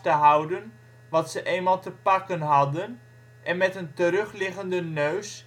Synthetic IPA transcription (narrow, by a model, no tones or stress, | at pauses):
təɦʌwdən | ʋɑtsəʔejnmaːlˠtəpɑkənɦɑdən | ʔɛnmɛtəntəɾɵχlɪχəndənøɥs